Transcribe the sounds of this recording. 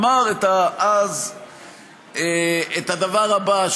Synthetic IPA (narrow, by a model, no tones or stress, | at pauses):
maʁet̪aaz | eet̪ad̪avaʁhabaʃ